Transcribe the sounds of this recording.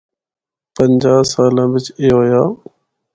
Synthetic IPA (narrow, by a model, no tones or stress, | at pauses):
pəɲd͡ʒaːsaːlãːʋɪt͡ʃeːɦojaː